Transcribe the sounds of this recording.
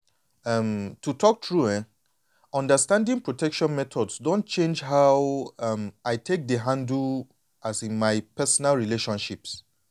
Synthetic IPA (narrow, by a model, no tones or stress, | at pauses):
ʌmtutʰɔk̚tʰɹuɛ̃ | ɔ̃ndəstãndĩŋpɹotɛkʃɔ̃nmɛtʰɔdsdõnt̚t͡ʃẽnd͡ʒɦawʌmaɪtʰek̚dəɦãndu | asĩnmaɪpɛsɔnalɹileʃɔ̃nʃips